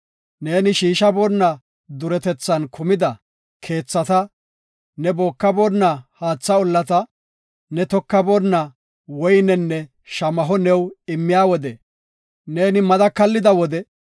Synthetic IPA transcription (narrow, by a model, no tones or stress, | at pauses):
ne̞ːnɪʃiːʃɐbɔːnːɐ | d̪ʊɾɛt̪ɛt͡sːɐnkʊmɪd̪ɐ | kʰe̞ːt͡sːɐt̪ɐ | nɛboːkːɐboːnːahaːt͡sːɐɔlːɐt̪ɐ | nɛt̪ɔkːɐboːnːɐ | wɔjnɛnːɛ | ʃɐmɐɦɔnɛwɪmːɪjaːwɔd̪ɛ | ne̞ːnɪmɐd̪ɐkɐlːɪd̪ɐwɔd̪ɛ